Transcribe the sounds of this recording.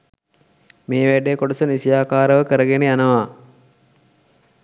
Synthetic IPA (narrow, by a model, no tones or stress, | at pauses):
meːʋæɖeːkoɖəsənisijaːkaːɾəʋəkəɾəɡenejanəʋaː